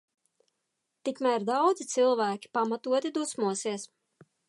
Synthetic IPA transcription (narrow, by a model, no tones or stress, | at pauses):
t̪ikmæɾd̪awd̪zit̪silˠvæːkʲi̥pamat̪uɔt̪id̪usmuɔsiɛs